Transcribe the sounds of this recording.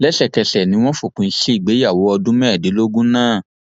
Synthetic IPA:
lɛ˦ʃɛ˧kɛ˧ʃɛ˨nĩ˨˦w̃ɔ̃˦fu˦˨kũ˨˧n̩˦ʃi˦i˦˨ɡ͡be˨˦ja˦˨wo˨˦ɔ˧dũ˦mɛ˦˨de˨˦lo˦ɡũ˦nãː˦˨

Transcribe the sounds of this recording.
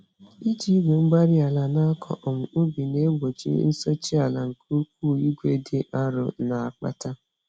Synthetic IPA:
i˦d͡ʒi˦i˦ɡʷe˨ŋ͡m̩˦ɡ͡ba˦ɾi˦a˨la˨na˦kʰɔ̰˨ʔɔ˨m̩˨ʊ˦bi˨ne˦ɡ͡bo˨d͡ʒḭ˦n̩˦so˦t͡ʃi˦a˨la˨ŋ̩˨ko˦k̚ʷu˦˨i˦ɡʷe˦de˨ʔa˦ɾʊ̰˨na˨a˨k͡pa̰˨ta˦

